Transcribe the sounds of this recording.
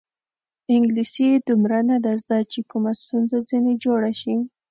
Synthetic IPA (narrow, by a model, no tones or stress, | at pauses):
ɪŋɡlisid̪umɾanad̪azd̪at͡ʃekumast̪unzad͡zined͡ʒoɽaʃi